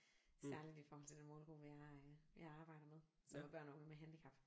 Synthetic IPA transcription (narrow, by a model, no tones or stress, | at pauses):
sæɐlid̥ifɒːhɒl̰t͡sʰe̝d̥enmɔːlɡ̥o̰ːʋijɑ̈ʋɑ̈ɑ̈ːb̥ɑ̈ɪ̰d̥ɐmeð̞ˠ | sɒmæb̥ɶɐ̰nɔ̽ŋð̩ˠmeɦænd̥ikʰɑ̈b̥